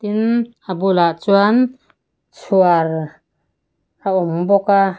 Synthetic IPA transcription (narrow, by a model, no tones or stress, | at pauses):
t̪in | abulaʔt͡ʃuan | suaɾ | aɔmbɔka